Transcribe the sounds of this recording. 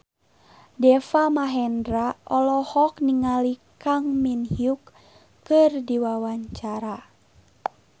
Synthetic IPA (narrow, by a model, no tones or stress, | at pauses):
dɛfamaɦɛndɾaʔɔlɔhɔkniŋalikaŋminhiukː | ɨrdiwawaɲt͡ʃaɾa